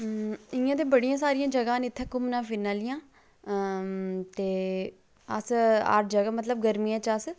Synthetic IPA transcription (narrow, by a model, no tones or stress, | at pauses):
ɪjãːt̪̬eːbəɽijãːs̬aːɾijãːd͡ʒəɡãːnɪt̪ʰːɛ̃ːkʊmnãːfɪnaːlɪjãː | t̪eː | əsa̰ːɾʈd͡ʒəɡaːmət̪ləb̚ɡəɾmiːãːt͡ʃəs